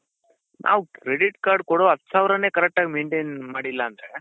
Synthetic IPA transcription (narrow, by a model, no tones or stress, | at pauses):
nʔa̰ːʋkɾeɖiʈkaːɾɖ̚koɽoɦɐt̪ːsaːʋɾɐne̞ːkɐɾɛk̚ʈaːɡimeːɳʈejnmaːɽilːɐːnd̪ɾe